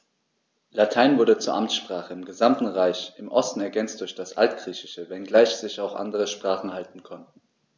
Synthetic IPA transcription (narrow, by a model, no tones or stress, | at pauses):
latʰaɪnvʊɐdət͡suːɐʔamsʃpʁ̥aːχəɪmɡəzamtn̩ʁaɪçɪmʔɔstn̩ɛɐɡɛnt͡st̚d̥ʊɐçd̥asʔa̰ltɡ̥ʁ̥iːçɪʃəvɛnɡlaɪçz̥ɪçaʊxʔa̰ndəʁəʃpʁ̥aːχn̩haltn̩kʰɔntn̩